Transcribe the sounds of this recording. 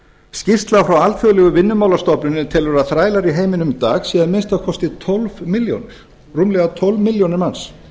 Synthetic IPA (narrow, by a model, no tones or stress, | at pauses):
scɪst̪lafɾawalfjɔlɛɣʏvɪnːʏmaːwlast̪ɔpnʏnɪt̪ʰɪlvɛɾaθɾaːjlaɾiɦeːjmɪnʏmt̪aːxsiːðanmɪnst̪akʰɔst̪ɪt̪ʰɔlvmɪljo̰wnɪɾ̥ | rumlɛɣat̪ʰɔlvmɪljownɪɾmans